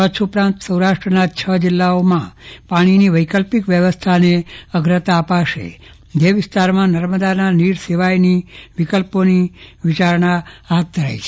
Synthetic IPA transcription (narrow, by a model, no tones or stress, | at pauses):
ət͡ʃʰupɾãnt̪səwɾaʃʈɾənat͡ʃʰəd͡ʒɪlːaomãpaɽ̃iniʋəjkəlpikʋjəʋəst̪ʰaneəɡɾət̪aːpaʃḛ | d̪eʋɪst̪aɾmãnəɾməd̪ananiɾseʋajniʋikəlponiʋɪt͡ʃaɾɳaɦat̪̚d̪ʱəɾa̰jt͡ʃʰe